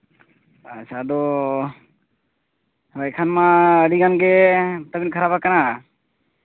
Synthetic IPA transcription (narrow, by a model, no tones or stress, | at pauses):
at͡ʃʰad̪ɔ | bajkʰanmaəɽiɡanɡɛt̪əbinkʰaɾabakana